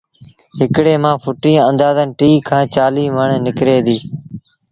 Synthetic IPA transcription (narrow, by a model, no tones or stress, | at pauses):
ɦɪkɽeːmãːfʰʊʈĩːənd̪aːzənʈiːkʰːãːt͡ʃaːliːʋəɳnɪkɾeːd̪iː